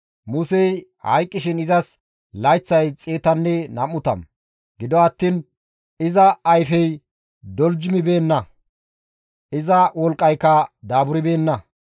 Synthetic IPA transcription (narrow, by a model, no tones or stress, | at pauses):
mʊsɛj | hɐ̰jkʼːɪʃɪnɪzɐs | lɐjt͡sːɐjt͡sʼeːt̪ɐnːɛnɐmːʊt̪ɐ̰m | ɡɪd̪ɔɐt̪ːiːn | ɪzɐːjfɛj | d̪ɔld͡ʒɪmɪbe̞ːnːɐ | ɪzɐwɔlkʼːɐjkːɐd̪aːbʊɾɪbe̞ːnːɐ